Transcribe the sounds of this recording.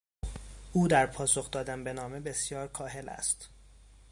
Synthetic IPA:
ʔuːd̪æɾpʰɒːso̞xd̪ɒːd̪ænbe̞nɒːme̞be̞sjɒːɾkʰɒːɦe̞læ̰st̪

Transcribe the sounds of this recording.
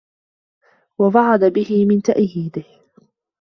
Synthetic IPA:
wɑvɑʕɑd̪abɪhɪmɪnt̪aʔjiːd̪ɪh

